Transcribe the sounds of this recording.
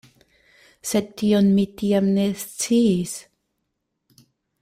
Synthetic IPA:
sed̚tionmitiamnest͡siːs

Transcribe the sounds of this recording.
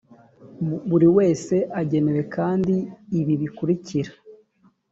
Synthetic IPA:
βuɾiwe̞ːse̞ʔaɟe̞me̞ɾe̞kaːndiːβiβikuɾiciɾḁ

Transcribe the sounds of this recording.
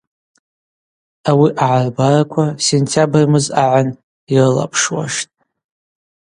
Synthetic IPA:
awiʔaʕarbarakʷʰasentʰabrmɨzaʕan | irɨla̰pʰʂwa̰ʂtʼ

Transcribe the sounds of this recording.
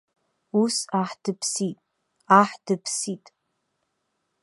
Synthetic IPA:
usaħd̥ɨpʰsitʼ | aħd̥ɨpʰsitʼ

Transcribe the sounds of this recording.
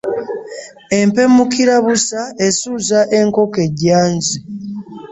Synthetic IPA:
e̞mpe̞mukiɾaβusaesuzaʔe̞ŋko̞keɟaːnzi

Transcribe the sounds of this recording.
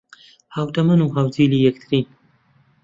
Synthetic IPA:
hawt̪ɐmɐnuːɦawziːliːjɐkt̪ʰɾiːn

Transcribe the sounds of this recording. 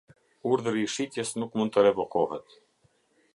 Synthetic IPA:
uɾðəɾiːʃit̪jɛsnukmund̪̚t̪əɾɛvɔkɔhɛt̪

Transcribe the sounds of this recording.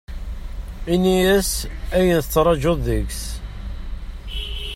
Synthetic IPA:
inijæsæjənθət͡sːɾˤɑʒoðəks

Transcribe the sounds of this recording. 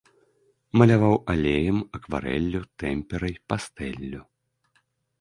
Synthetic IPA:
mɐlʲavawalʲejɐmɐkva̰ɾɛ̰lʲːut̪ɛmʲpʲɛɾɐjpast̪ɛlʲːu

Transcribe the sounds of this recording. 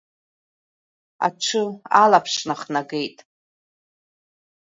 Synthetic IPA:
a̰ʈ͡ʂʷʰɨalapʰʂnaχnaɡe̞jtʼ

